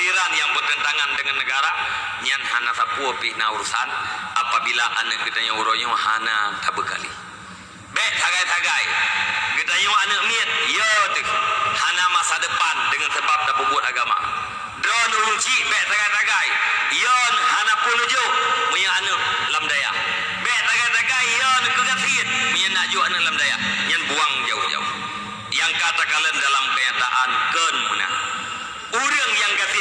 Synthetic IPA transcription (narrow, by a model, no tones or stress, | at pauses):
tiɾanjaŋpərt̪ənt̪aŋandəŋanːəɡaɾa | ɲanhanasapuopinauɾusanapabilaʔanəʔɡətaɲouɾoɲoɦanat̪abəka̰lḭ | bɛʔt̪aɡajt̪aɡajɡətaɲoanəʔmiət̪̚jətəhhanamasadəpandəŋansəbap̚dapəbuət̪aɡama̰ | dɔnəɾuɲt͡ʃiʔbɛʔt̪aɡajt̪aɡaijənəɦhanapunud͡ʒoumuɲəanəʔlamdaja̰ʔ | bɛʔt̪aɡajt̪aɡajjɔnəkəɡat̪iət̪̚muɲənad͡ʒuanəʔlamdaja̰ɲanbuaŋd͡ʒa̰ṵd͡ʒa̰ṵ | jaŋkat̪akaləndalamkəɲat̪a̰ʔankənmuna̰ | uɾəŋjaŋɡat̪i